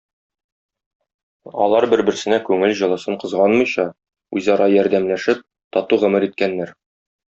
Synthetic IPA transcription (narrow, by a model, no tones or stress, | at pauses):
ɒ̰lˠɑɾbɘ̆ɾbɘ̆ɾsɘ̆nækʉŋɘlʑɤ̆lˠɤ̆sɤɴqɤ̆zʁɑnmɤ̆jɕɑ | ʉ̰jzɑɾɑjɒɾd̪æmlæʃɘp̚ | t̪ɒt̪uʁɵ̆mɘɾit̪̚kænːæɾ